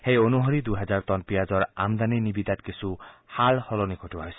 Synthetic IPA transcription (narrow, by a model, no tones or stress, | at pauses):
xejonuɦoɾid̪uɦɛzaɹt̪ɔnpijazɔɹa̰md̪aninibid̪at̪kisʰuhalhɔlonikʰotuɦɔjsɛ̥